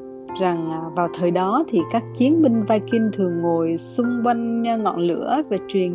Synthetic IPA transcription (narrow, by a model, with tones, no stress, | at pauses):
za˨˩ŋː˨˩vaː˨˩wt̪ʰəː˨˩jɗɔ˨˦t̪ʰi˨˩kaː˦˥k̚t͡ɕi˨˦ənɓi˧ŋ̟vaː˧jki˧nt̪ʰɨ˨˩əŋːo˨˩jsʊ˧ŋ͡mkwa˧jŋ̟˧ŋɔ̰˧˨nlɨ̰˧˥əve˨˩t͡ɕwi˨˩ən